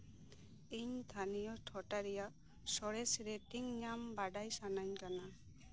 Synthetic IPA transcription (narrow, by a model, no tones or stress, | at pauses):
iɲt̪ʰanijɔʈʰɔʈaɾijaʔ | sɔɽɛsɾetiŋɲambaɖajsanaɲkana